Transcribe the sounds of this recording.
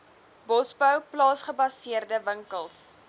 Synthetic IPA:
bɔsbəwplɑːsχəbɐsiərdəvəŋkəlˠs

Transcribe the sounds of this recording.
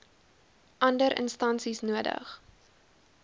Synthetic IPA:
ʔɐndəɾʔə̰nstɐnsisnuədə̰χ

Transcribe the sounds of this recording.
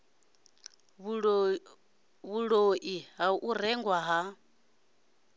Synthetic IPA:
ɺ | βuɺoʔiɦaʔurɛŋɡwaɦa

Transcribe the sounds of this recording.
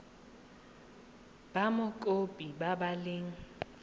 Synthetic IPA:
b̥amʊkʼopʼibabalɪŋ̩

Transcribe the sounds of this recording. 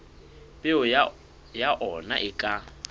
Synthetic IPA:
pʼɪʊ | jaʔɔna̰ʔɪkʼa

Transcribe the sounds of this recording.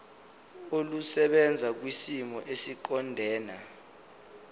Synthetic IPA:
olusɛɓɛnd͡zʱak̬wisimɔʔesiǃɔndʱɛːna

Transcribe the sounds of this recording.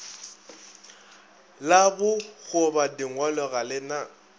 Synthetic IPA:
labʊɣʊbadɪŋ̩walɔɣalɪna

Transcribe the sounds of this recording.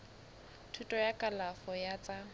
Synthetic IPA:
tʰutʼɔjakʼalafɔjat͡sʼa

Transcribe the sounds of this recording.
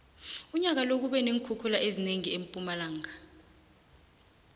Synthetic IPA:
uɲak̬alok̬uɓɛneŋkʰukʰulaʔezineŋiempʼumalaːŋa

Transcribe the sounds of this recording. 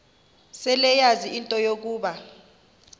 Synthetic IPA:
sɛlɛjaziintʼɔjok̬uːɓa

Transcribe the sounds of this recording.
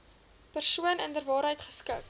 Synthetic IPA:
pərsuənəndərvɑːɾɦəjtχə̥skək

